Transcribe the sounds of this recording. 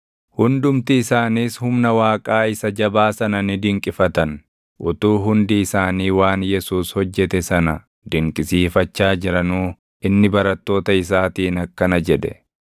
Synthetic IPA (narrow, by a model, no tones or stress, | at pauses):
hʊnd̪ʊmt̪ɪːsaːniːshʊmnɐwaːkʼaːɪsɐd͡ʒɐbaːsɐnɐnɪd̪ɪŋkʼɪfɐt̪ɐn | ʔʊt̪uːɦʊnd̪ɪːsaːniːwaːnjɛsuːshɔd͡ʒːɛt̪ɛsɐnɐ | d̪ɪŋkʼɪsiːfɐt͡ʃːaːd͡ʒɪɾɐnuː | ʔɪnːɪbɐɾɐt̪ːo̞ːt̪ɐɪs̬aːt̪iːnɐkːɐnɐd͡ʒɛᶑ̪ɛ̰